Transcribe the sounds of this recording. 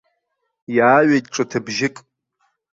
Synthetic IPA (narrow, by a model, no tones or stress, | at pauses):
jaːɥejtʼʈ͡ʂʼɨtʰɨbʒɪkʼ